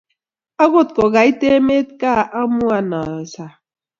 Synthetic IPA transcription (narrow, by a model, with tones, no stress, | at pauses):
a˦ɣʊ˦tkɔ˨ɣa˨i˦te˦me˦tka˦˨ʔa˦mʊ˦a˨na˨sa˨